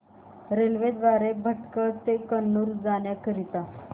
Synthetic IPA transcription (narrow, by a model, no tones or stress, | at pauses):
ɾelʋed̪ʋaɾebʱəʈkət̪ekənːuɾd͡zaɳjakəɾit̪a